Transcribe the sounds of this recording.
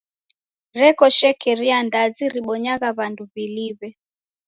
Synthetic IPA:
ɾɛkɔʃɛkɛɾiandaziɾiɓɔɲaɣaβanduβiliβɛ

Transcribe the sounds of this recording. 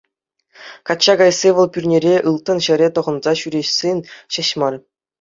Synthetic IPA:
kɑtt͡ɕːɑɡɑjsʲeʋɤ̆lˠpʲyrʲnʲeɾʲeʔɯlˠt̪ɤ̆nɕɘ̆ɾʲet̪ŏʁɤ̆nzɑɕyɾʲeɕsʲenʲɕɘ̆ɕmɑlʲ

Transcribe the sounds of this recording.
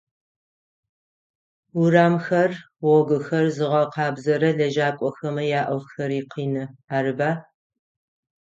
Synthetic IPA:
uɾaːmxɐr | wɔɡʷʊxɐrzɨʁɐqɑːbzɐɾɐɮɐʒaːkʷʼɔxɐmɐjaːʔɐwxɐɾiːqiːnɨaːɾɨbaː

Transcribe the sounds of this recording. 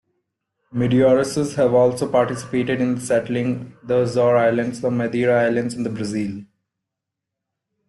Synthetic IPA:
mɪɖiɔːɾɪsəzhæʋɔːlsoːpaːɾʈɪsɪ̥peːʈɪɖɪ̃nd̪sɛʈlɪ̃ŋd̪əzɔːɾaɪlə̃ɳɖsəmed̪iːɾaaɪlə̃ɳɖzɪ̃nd̪əbɾəziːl

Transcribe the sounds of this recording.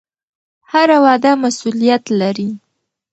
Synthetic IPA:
haɾawɑd̪amasulijat̪laɾi

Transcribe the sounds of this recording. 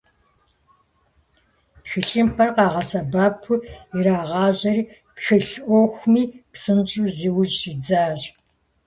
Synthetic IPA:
txɨɬʼɨmpʰɐrqɑːʁɐsɐbaːpʰʊiɾaːʁɑːʑɐriː | txɨɬʔʷoxʷmiːpsɨnt͡ʃʼuːziːwʊd͡ʒʃid͡zaːɕ

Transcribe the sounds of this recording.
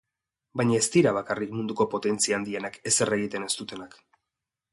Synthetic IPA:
bajɲaest̪iɾaβ̞akarikmund̪uko̞po̞t̪e̞nt͡siaːnd̪ienake̞se̞re̞ɣ̞it̪e̞ne̞st̪ut̪e̞nak

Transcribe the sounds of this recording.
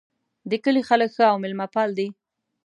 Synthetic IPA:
d̪əkəlixaləkxəawmɪlmapɑld̪i

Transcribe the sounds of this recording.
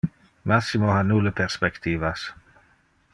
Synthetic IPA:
masimoɦanuːləpʰɛɾspɛkt̪ʰiːvas

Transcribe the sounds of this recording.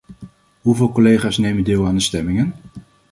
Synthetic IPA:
ɦuvɪːlˠkolejχaːsnejmədɪːlˠaːndəstɛmɪŋən

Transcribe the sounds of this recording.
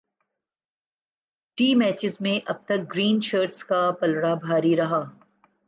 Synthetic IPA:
ʈiːmɛːt͡ʃɪzmẽʔɐb̚t̪ɐk̚ɡɾiːnʃəːɾʈskapɐlɽabʱaːɾiɾɐɦaː

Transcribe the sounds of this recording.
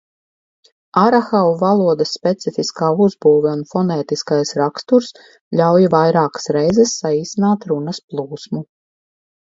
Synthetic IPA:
aɾaxawvalˠuɔd̪ɐsːpʲɛt̪sifiskaːuzbuːvɛunfɔnɛːt̪iskajsɾakst̪uɾs | ʎʲawjivajɾaːkḁsɾɛjzɛsːaiːsinaːt̪ɾunɐsplˠuːsmu

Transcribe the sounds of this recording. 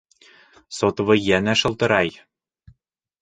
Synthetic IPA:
sot̪ɤ̆βɤ̆jænæʃɤ̆lˠt̪ɤ̆ɾɑj

